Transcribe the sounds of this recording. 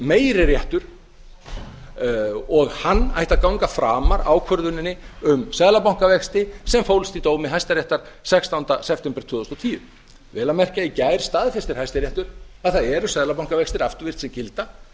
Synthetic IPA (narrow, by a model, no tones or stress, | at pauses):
meːjɾɪɾjɛht̪ʏɾ̥ | ɔɣhanːa̰jht̪akawŋkafɾaːmaɾaːwkʰœɾðʏnɪnːɪʏmsɛðlapaw̥ŋ̥kavɛkst̪ɪsɛmfowlst̪it̪oːwmɪɦajst̪aɾjɛht̪aɾ̥sɛkst̪awnt̪asɛp̚ʰt̪ɛmpɾɪ̥t̪ʰʏːðɔst̪ɔt̪ʰiːjʏ | vɛːlamɛr̥caicaːjɾ̥st̪aːðfɛst̪ɪɾhajst̪ɪɾjɛht̪ʏɾ̥ | aðθaðɛɾʏsɛðlapawŋ̥kavɛkst̪ɪɾaft̪ʏvɪr̥t̪sɛmcɪlt̪a